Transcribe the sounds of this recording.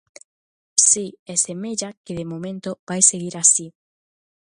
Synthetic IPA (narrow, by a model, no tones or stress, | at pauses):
siɛsemeʎakeðemomẽnt̪ob̥ajseɣiɾasi